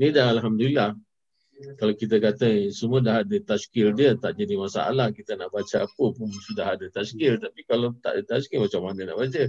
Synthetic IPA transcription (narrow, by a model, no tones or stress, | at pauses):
nidaɦalɦamdulilah | kalokit̪əkat̪əsəmuədaɦadət̪askɪrdiət̪aʔd͡ʒadimasa̰a̰lahkit̪ənaʔbat͡ʃaapəpʊnsudaɦadət̪askɪrt̪apikalot̪a̰ʔdət̪askɪmat͡ʃamːanəna̰ʔbat͡ʃə